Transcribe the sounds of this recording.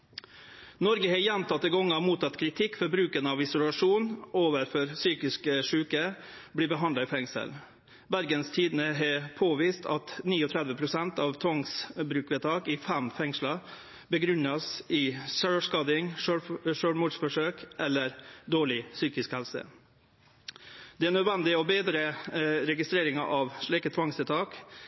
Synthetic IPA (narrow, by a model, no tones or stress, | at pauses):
nɔɾɡəɦɛɾjɛnt̪ʰɑt̪ːəɡɔŋːəɑmuːt̪ʰɑt̪kʰɾɪt̪ʰɪkːfɔɾbɾʉːkənəɑʋɪsʊlɑʂuːnoːʋəɾfɔɾsyːkɪskəʂʉːkəbliːbəɦɑnd̪lɑɪfɛŋsə̰l | bæɾɡənst̪ʰiːd̪ən̩əɦɛpʰoːʋiːst̪ʰɑt̪niːɔt̪ʰɾɛd̪ʋəpʰɾʊsɛnt̪ɑʋt̪ʰɔŋsbɾʉːkʋɛt̪ʰɑːkɪfæmfɛŋʂlɑ | bəɡɾʉnːɑsɪːsøːʂkɑːd̪ɪŋʂøʂøːɽmuːɖsfɔʂøːkʔɛlːəɾd̪oːɭɪsyːkɪskhɛlsə̰ | d̪̥ɛæːnœd̪ʋɛnd̪ɪəɔbeːd̪ɾəɾɛɡɪst̪ɾeːɾɪŋɑ̰ʔɑʋʂɭiːkət̪ʰʋɑŋst̪ɛt̪ʰɑːk